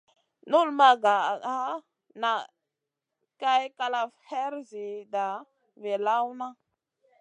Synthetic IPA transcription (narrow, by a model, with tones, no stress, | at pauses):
nu˦lma˨ɡa˨a˦ | na˨ | ka˦jka˦la˨fhe˦ɾzi˨da˨ | ve˨la˦wna˦